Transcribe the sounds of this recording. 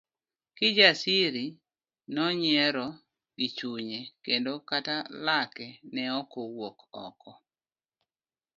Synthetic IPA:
kɪd͡ʒasiɾi | nɔɲɛɾɔ | ɡɪt͡ʃuɲekendokatalakɛnɛɔkowokɔ̰kɔ

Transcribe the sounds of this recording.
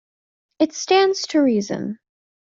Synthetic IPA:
ɨtstæ̃ndz̥tʰəɹizɨ̰̃n

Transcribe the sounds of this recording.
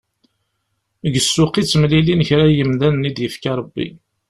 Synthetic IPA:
əɡəsːʊqit͡sːəmlilinəçɾæjəmðænnid̪jəfkɑɾˤbːḭ

